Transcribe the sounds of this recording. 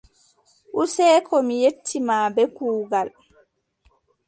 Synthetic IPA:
ʔusɛːkʰɔmijetʰːimaːbɛkuːɡal

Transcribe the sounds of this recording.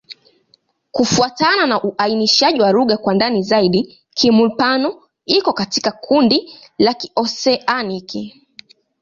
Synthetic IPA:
kufuatananaʔuʔainiʃaʄiwaɾuɠakwandanizaiɗi | kʰimupanɔ | ikɔkati̥kakʰundi | laki̥ɔsɛʔaniki

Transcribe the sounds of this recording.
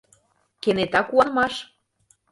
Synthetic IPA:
kenet̪ɑkuɑnmɑʃ

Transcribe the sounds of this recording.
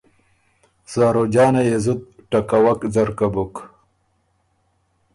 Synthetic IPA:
zaːɾod͡ʑɑːnajezut̪̚ʈakawakd͡zɐɾkabuk

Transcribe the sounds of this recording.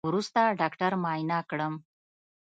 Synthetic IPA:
ɾust̪aɖɑkʈaɾmɑjnɑkɽəm

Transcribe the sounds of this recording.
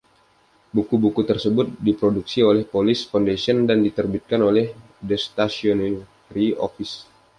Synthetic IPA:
bukubukut̪ərsəbʊt̪̚dipɾoduksiolɛhpolɪsfondesiəndandit̪ərbit̪̚kanolɛh | dɛst̪asion | ɾio̰fis

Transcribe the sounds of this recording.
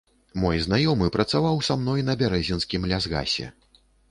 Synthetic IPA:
mɔjznajɔmɨpɾɐt̪savawsamn̪ɔjnɐbʲaɾɛzʲinskʲimlʲazɣa̰sʲɛ̰

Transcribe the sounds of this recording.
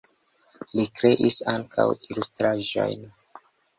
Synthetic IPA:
likɾe̞ʔisaŋkʰa̰wilustɾaʒo̰jn

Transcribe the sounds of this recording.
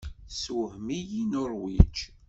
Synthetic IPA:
swhmijinʊɾˤwit͡ʃ

